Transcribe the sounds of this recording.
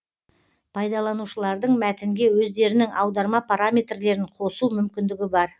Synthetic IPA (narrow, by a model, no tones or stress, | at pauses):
pʰɑjd̪ɑlˠɑnuʃəlˠɑɾd̪əɴmæt̪ɪŋɡʲe̞wɵzd̪e̞ɾɪnɪŋʔɑwd̪ɑɾmɑpʰaɾamʲe̞t̪rle̞ɾɪɴqʰo̞sumʏmkʲɪnd̪ɪɡʲɪbɑɾ